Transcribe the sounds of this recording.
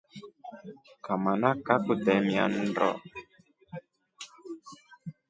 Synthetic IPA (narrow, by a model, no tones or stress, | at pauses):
kamanakakut̪ɛmia̰n̩dɔ̰